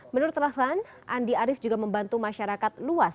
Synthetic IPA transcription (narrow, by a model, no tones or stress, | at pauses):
mənʊrt̪lafan | ʔandiaɾɪfd͡ʒuɡaməmbant̪umaʃaɾakat̪̚luas